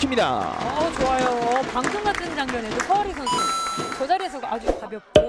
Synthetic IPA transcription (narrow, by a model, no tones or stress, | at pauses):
imɲida̰t͡ɕoajoʌpaŋsʰoŋɡatʰɯnd͡ʑaŋmjʌne̞dopʰʌɾisʰʌnsʰɯt͡ɕʌd͡ʑaɾies̬ʰʌɡad͡ʑuɡkabjʌp̚k͈o